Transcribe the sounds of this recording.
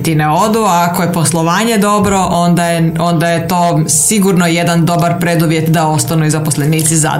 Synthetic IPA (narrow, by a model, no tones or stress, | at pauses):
t̪ineo̞d̪uaːkoje̞po̞slˠo̞ʋaːɲe̞d̪o̞bɾo̞ʔond̪ajeo̞nd̪ajet̪o̞ːsiɡuɾnoje̞d̪and̪o̞baɾpɾed̪uʋjet̪d̪ao̞st̪anuizaposleniːt̪siza̰